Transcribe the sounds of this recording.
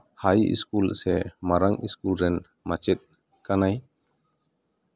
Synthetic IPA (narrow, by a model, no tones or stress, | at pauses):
hajḭskulsɛmaɾaŋʔiskulɾɛn | mat͡ʃɛt̪̚ | kanaj